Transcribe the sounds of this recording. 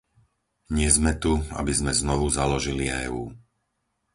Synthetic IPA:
ɲɪɛzmɛt̪ua̰bizmɛznɔʋuzalɔʒiliɛ̰ːuː

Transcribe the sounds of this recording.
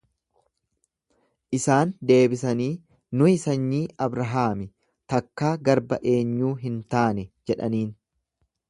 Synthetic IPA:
ʔɪsaːnd̪e̞ːbɪsɐniː | nʊhɪsɐɲːiːɐbɾɐɦaːmɪ | t̪ɐkːaːɡɐɾbɐ̰ʔe̞ːɲːuːɦɪnt̪aːnɛd͡ʒɛᶑɐniːn

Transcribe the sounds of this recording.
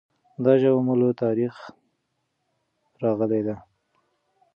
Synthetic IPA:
d̪ɑʒawmulot̪ɑɾix | ɾɑɣəled̪a

